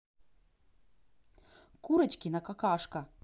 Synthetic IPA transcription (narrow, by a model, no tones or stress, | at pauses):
kuɾɛt͡ɕkʲinakakaʃka